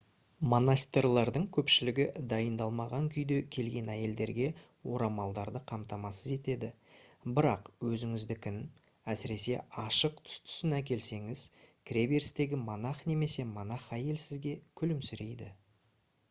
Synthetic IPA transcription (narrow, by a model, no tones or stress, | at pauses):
mo̞nast̪rlˠɑɾd̪əɴkʲʰɵpʃɪlɪɡʲɪd̪ɑjənd̪ɑlˠmɑʁɑŋkʲʰʏjd̪e̞kʲʰe̞lɡʲe̞næje̞ld̪e̞ɾɡʲe̞ | wo̞ɾɑmɑlˠd̪ɑɾd̪əqʰɑmt̪ɑmɑsəze̞t̪e̞d̪ɪ | bɪɾɑqwɵzɪŋɪzd̪ɪkʲʰɪn | æsɪɾe̞se̞̰ɑʃəqt̪ʰʏ̥st̪ʰʏ̥sɪnæk̬ʲe̞lse̞ŋɪz̥ | kʲrʲebeɾst̪e̞ɡʲɪmonɑχne̞me̞se̞monɑχæje̞lsɪzɡʲe̞kʲʰʏlɪmsʏɾe̞jd̪ɪ